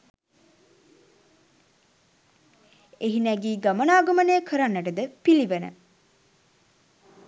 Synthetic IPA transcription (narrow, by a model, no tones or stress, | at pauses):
eɦinæɡiːɡamənaːɡəmənəjəkʰəɾanːəʈəd̪əpiliʋənə̰